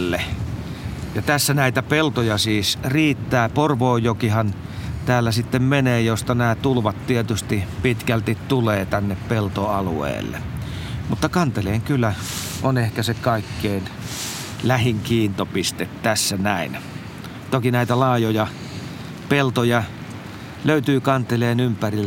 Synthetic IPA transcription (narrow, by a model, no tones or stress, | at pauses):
lːe | jɑt̪æsːænæit̪æpelt̪ojɑsiːsriːt̪ːæːporʋoːjjokihɑn | t̪æːlːæsit̪ːemmeneːjost̪ɑnæːt̪ulʋɑt̪t̪iet̪yst̪ipit̪kælt̪it̪t̪uleːt̪ænːeppelt̪oɑluḛˑːlːḛ | mut̪ːɑkɑnt̪eleːŋkylːæonehkæsekɑˑikːeːn | læhiŋkiːnt̪opist̪et̪t̪æsːænæˑin | t̪okinæˑit̪ælɑˑːjojɑ | pelt̪ojɑ | løyt̪yːkɑnt̪eleːnympæril